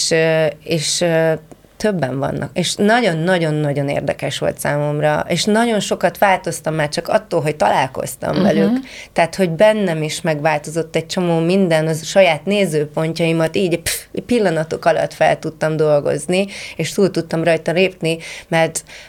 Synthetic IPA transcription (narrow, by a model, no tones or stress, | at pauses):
ʃeːʃ | t̪øbːɛɱvɒ̰nːʔɒ̰keːʃnɒɟo̞nːɒɟo̞nːɒɟo̞nḛːrd̪ɛkɛʃʋo̞̰lt̪saːmo̞mrɒ̰ʔeːʃnɒɟo̞nʃo̞kɒt̪ʋaːlt̪o̞st̪ɒmːaːrt͡ʃɒkɒ̰t̪ːoːlɦoc̚t̪ɒlaːlko̞̰st̪ɒ̰ɱvɛlykt̪ɛːt̪ho̞ɟbɛnːɛmiʃmɛɡʋaːlt̪o̞zo̞t̪ːɛc̚t͡ʃo̞moːmind̪ɛnɒʃɒjaːt̪neːzøːpo̞ɲcɒimɒt̪iːɟpilːɒnɒt̪o̞kɒlɒ̰t̪fɛ̰lt̪ut̪ːɒmd̪o̞lɡo̞̰znieːʃt̪uːlt̪ut̪ːɒmrɒjt̪ɒleːpnimɛrt̪